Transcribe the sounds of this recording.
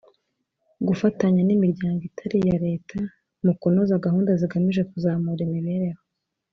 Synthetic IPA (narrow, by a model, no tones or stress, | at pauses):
ɡufataɲanimiɾɟaːŋɡitʰaɾijaɾe̞ːtʰa | mukonozaɡaɦuːndaziɡamiʒe̞kuzaːmuɾimiβeɾeho